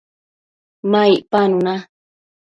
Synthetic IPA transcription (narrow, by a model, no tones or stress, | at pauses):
maiʔpanuna